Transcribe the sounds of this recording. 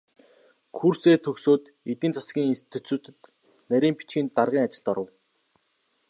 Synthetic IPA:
kʰuːrseːt̪ʰɵksoːt̪ | et̪ĭnt͡sḁsɡʲiːŋinst̪i̥t̪ʰuːt͡suːt̪ɘ̆t̪ | næɾʲiːmpi̥t͡ɕiːnt̪arʁiːŋat͡ɕɪ̆ɮt̪ɔɾə̆w

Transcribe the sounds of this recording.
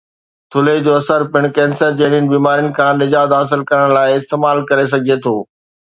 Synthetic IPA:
t̪ʰʊleid͡ʑoːɐsəɾpɪɽ̃kɛ̃ːnsəɾd͡ʑeːɽiənɪ̆biːmaːɾijʊnɪ̆kʰãːnɪd͡ʑaːd̪ɦaːs̬ɪlkɐɾəɽ̃laːɪɪst̪eːmaːlkɐɾes̬ɐɡʱiet̪ʰoː

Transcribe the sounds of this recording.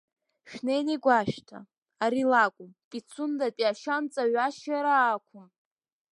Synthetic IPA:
ʃᶣnejniɡʷaʃᶣtʰa̰ | aɾilakʷʼʊmpʼit͡sʰʊndapʼiaʃant͡sʼaɥaʃjaɾaːkʷʰʊn

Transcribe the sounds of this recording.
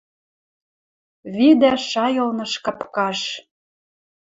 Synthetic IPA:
βid̪æʃɑjɤ̆lnɤ̆ʃkɑpkɑʃ

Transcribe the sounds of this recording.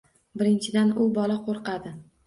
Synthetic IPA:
bɪɾɪnt͡ʃʰɪd̪anʊbɒlaqʰoɾqɑd̪ɪ

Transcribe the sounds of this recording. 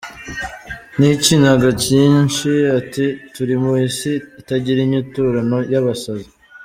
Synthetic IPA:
nicinaɡaciːnʃiatituɾimuisiːtaɟiɾiɲutuːɾano̞jaβasaza

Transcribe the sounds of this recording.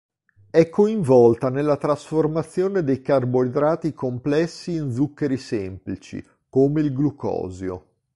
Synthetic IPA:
ɛkːoiɱvɔlt̪anelːat̪ɾasformat̪sːjoːned̪ejkarboed̪ɾaːt̪ikomplɛsːiːnd̪zukːeɾisemplit͡ʃḭ | koːmeilɡlukɔ̰ːzjo̰

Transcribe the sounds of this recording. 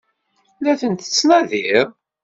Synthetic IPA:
læθənt̪ə̥t͡sːnɑðiɾˤ

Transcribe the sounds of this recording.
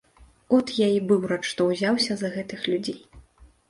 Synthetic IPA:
ɔt̪jaibɨwɾat͡ʂːt̪ɔwzʲawsʲɐzɐɣɛt̪ɨxlʲud͡zʲej

